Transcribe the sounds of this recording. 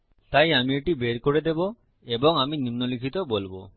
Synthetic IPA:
t̪ajamieʈibeɾkoɾed̪ebo | eboŋaminimnolikʰit̪obolbo

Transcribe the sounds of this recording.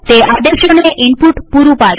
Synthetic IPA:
t̪eʔad̪eɕɔneʔimpuʈpuɾupaɽe

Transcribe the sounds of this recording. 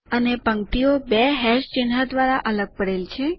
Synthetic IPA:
ənepəŋt̪iobɛɦɛʃt͡ʃɪnɦad̪ʋaɾaʔələɡ̚pəɽelt͡ʃʰe

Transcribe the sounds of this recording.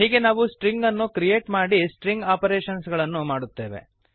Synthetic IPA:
ɦiːɡe̞naːʋusʈɾiŋɡɐnːukɾijeːʈmaːɽisʈɾiŋɡaːpɐɾeːʃɐnsɡɐɭɐnːumaːɽut̪ːe̞ːʋe̞̰

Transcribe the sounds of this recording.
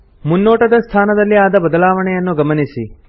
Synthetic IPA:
munːoːʈɐd̪ɐst̪ʰaːnɐd̪ɐliaːd̪abəd̪laːʋəɳeɐnːoɡəmənisi

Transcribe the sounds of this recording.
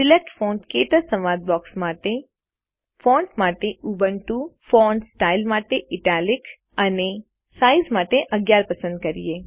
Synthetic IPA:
sɪlek̚ʈfɔ̃ɳʈket̪əɾsəmad̪̚bɔksmaʈe | fɔ̃ɳʈmaʈeubənʈufɔɳɖsʈailmaʈeʔɪʈalik | əne | saizmaʈeʔəɡjaɾpəsə̃nd̪̚kəɾḭje

